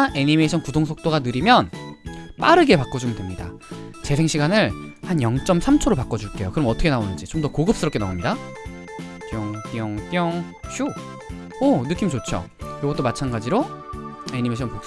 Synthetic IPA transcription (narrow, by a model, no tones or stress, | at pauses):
ʔe̞ɲimeɕʰʌnkudoŋs̬ʰok̚t͈oɡanɯɾimjʌnp͈aɾɯɡe̞pak͈ʌd͡ʑumɯndemɲida̰ | t͡ɕe̞sʰe̞ŋɕʰiɡanɯɭhanjʌŋt͡ɕ͈ʌmsʰamt͡ɕʰoɾopak͈ʌd͡ʑuɭk͈e̞jokɯɾʌmʌtʰʌkʰenaonɯnd͡ʑit͡ɕomdʌkoɡɯp̚s͈ɯɾʌpkenaomɲida | kjʌŋtjʌŋt͈jʌŋ | ɕʰu | onɯk͈imt͡ɕot͡ɕʰʌ̰joɡʌt͈omat͡ɕʰanɡad͡ʑiɾo | e̞ɲimeɕʰʌnpok̚